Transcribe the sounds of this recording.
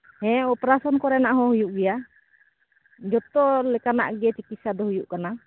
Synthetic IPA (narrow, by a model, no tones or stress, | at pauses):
hɛ̃ɔpɾasɔnkɔɾɛnaʔɦɔ̃hujuʔɡɛja | d͡ʒɔt̪ɔlɛkana̰ʔɡɛt͡ʃikit̪sad̪ɔhujuʔkana